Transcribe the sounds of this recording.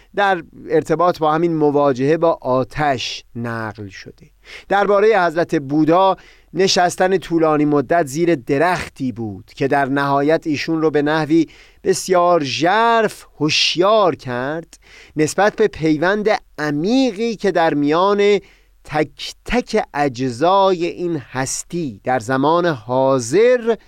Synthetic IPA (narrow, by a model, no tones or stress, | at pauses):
d̪æɾe̞ɾt̪ʰe̞bɒːt̪ʰbɒːhæminmovɒːd͡ʒe̞hebɒːʔɒːt̪ʰæʃnæɢlʃo̰d̪̥e̞ | d̪̥æɾbɒːɾejehæzɾæt̪ʰe̞buːd̪ɒː | ne̞ʃæst̪ænet̪ʰuːlɒːniːmod̪ːæt̪ʰziːɾe̞d̪e̞ɾæxt̪ʰiːbuːd̪̥cʰe̞d̪æɾnæɦɒːjæt̪ʰiːʃunrobe̞næhviː | b̥e̞sjɒːɾʒæɾfhoʃjɒːɾcʰæɾd̪̥ne̞sbæt̪̚ʰbe̞pʰe̞jvænd̪eæmiːɣiːcʰe̞d̪æɾmijɒːne̞ | t̪ʰæcʰt̪ʰæcʰeʔæd͡ʒzɒːje̞ʔiːnhæst̪iːd̪̥æɾzæmɒːne̞hɒːze̞ɾ